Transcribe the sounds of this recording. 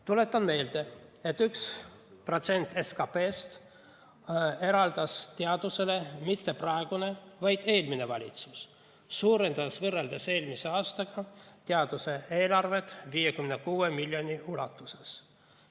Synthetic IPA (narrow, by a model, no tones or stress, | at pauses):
t̪ule̞t̪ːˑɑnme̞ːld̪e̞e̞t̪ːyks | pro̞t̪se̞nʲt̪ːe̞skɑpe̞ːst̪ | e̞ɾɑld̪̥ɑst̪eɑd̪̥use̞le̞mit̪ːeprɑeɡ̥une̞vɑjd̪̥e̞ːlmine̞vɑlʲḭt̪susː | uːɾe̞nd̪̥ɑsvɤrːe̞ld̪̥ɑse̞ːlmise̞ɑːst̪ɑɡ̥ɑt̪eɑd̪̥use̞e̞ːlɑrve̞t̪ːˑviːjekymnekuːemilʲjo̞nʲiulɑ̰t̪ːˑuse̞s